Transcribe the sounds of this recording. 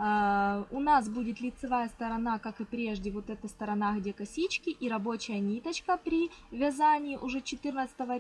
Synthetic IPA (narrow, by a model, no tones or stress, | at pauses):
ʊnasbudʲɪt̪lʲɪt̪sɨvajəst̪ɐɾɐnakakɨpɾʲe̞ʐdʲɪvo̞t̪ɛt̪əst̪ɐɾɐnaɣdʲe̞kɐsʲit͡ɕkʲɪʔiɾɐbo̞t͡ɕɪjənʲit̪ət͡ɕkəpɾʲivʲɐzanʲɪːʔʊʐɛt͡ɕɪt̪ɨrnət̪sə̥t̪əvə